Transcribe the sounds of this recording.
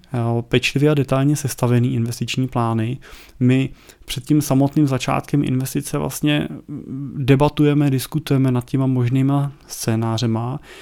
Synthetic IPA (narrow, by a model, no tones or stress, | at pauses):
pɛt͡ʃlɪvjɛadɛt̪alɲɛsɛst̪avɛniːʔɪnvɛst̪ɪt͡ʃɲiːplaːnɪmɪpr̥ɛt̪cimsamo̞t̪nimzat͡ʃa̰ːt̪kɛmʔɪ̰nvɛst̪ɪt͡sɛvlʔa̰st̪ɲɛ̰ | dɛbat̪ujɛmɛdɪskut̪ujɛmɛnat̪̚cɛmamoʒniːmast͡sɛːnaːr̝ɛma